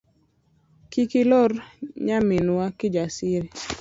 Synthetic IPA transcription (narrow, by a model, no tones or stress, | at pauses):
kikilɔrɲamɪnwakɪd͡ʒasiɾi